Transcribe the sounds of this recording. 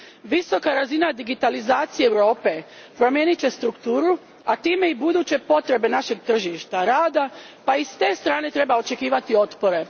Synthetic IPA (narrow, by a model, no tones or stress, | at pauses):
ʋiso̞kaɾazinad̪iɡit̪alizaːt̪sijeːwɾo̞ːpe̞ | pɾo̞mjeːnit͡ɕe̞st̪ɾukt̪uːɾu | at̪iːme̞ibud̪uːt͡ɕe̞po̞t̪ɾe̞be̞naʃe̞ɡt̪r̩ʒiʃt̪aɾaːd̪a | paist̪e̞ːst̪ɾaːne̞t̪ɾe̞bao̞t͡ʃe̞kiːʋat̪io̞t̪po̞ɾe̞